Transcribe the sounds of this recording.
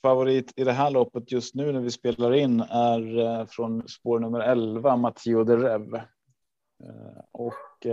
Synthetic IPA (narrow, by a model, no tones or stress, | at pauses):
favʊɾiːt̪ʰɪd̪ɛɦæːɭɔpːət̪jɵst̪nʉ̟ːnæɾvɪspeːlaɾɪnːæɾfɾɔnspoːɳɵmːəɾɛlvamat̪ʰiːʊd̪ɛɾɛv | ɔk